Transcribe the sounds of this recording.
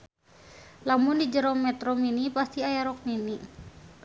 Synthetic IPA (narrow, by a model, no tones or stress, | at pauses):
lamʊndid͡ʒəɾɔmɛt̪ɾɔminipast̪iajaɾɔk̚mini